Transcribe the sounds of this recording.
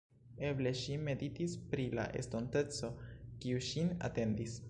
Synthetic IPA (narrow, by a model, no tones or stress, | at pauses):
e̞ble̞ʃime̞ditispɾila̰ʔe̞̰sto̞nte̞t͡so̞kiuʃina̰te̞ndis